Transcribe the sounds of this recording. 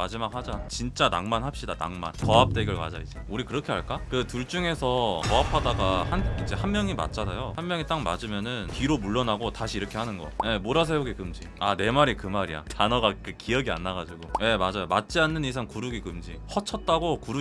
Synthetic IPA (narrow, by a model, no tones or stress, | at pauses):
mad͡ʑimak̚had͡ʑat͡ɕint͡ɕ͈ana̰ŋmanhap̚ɕ͈idana̰ŋma̰nkʌap̚t͈e̞ɡiɭkwa̰d͡ʑaid͡ʑeuɾikɯɾʌkʰe̞ɦaɭk͈akɯtuɭt͡ɕ͈uŋe̞sʰʌkʌapʰadaɡahanind͡ʑe̞hanmjʌŋima̰t̚t͡ɕ͈anajohammjʌŋit͈aŋma̰d͡ʑimjʌnɯnpiɾomuɭːʌnaɡotaɕʰiːɾʌkʰe̞hanɯnɡʌ̰je̞moɾas̬ʰe̞oɡekɯmd͡ʑiane̞maɾikɯmaɾija̰tʰanʌɡakɯkʰijʌɡia̰nːaɡad͡ʑiɡoje̞mad͡ʑajomat̚t͡ɕ͈ianːɯnisʰaŋkuɾuɡikɯmd͡ʑihʌt͡ɕʰʌt̚t͈aɡokuɾu